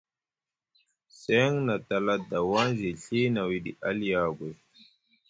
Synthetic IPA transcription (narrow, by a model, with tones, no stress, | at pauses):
sɛ˦ŋna˨t̪a˨la˦d̪a˨wa˦nzi˨ɬi˦na˨wi˨dḭ˨ʔa˦ljaː˨ɡwe˨